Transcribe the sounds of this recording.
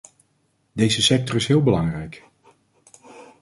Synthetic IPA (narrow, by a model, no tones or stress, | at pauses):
dejzəsɛk̚tɔrɪsɦɪːlˠbəlɑŋrɛjk